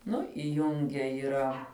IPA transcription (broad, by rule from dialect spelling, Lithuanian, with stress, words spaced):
ˈnʊ ɪˈjʊŋʲɡʲɛ iːˈrɐ